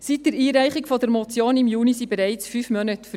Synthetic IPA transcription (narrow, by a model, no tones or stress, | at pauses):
sitdəɾiːɾæɪχɪkfɔdəɾmɔt͡sjoːnɪmjuːnisibɛɾæɪt͡sfyːfmœnətf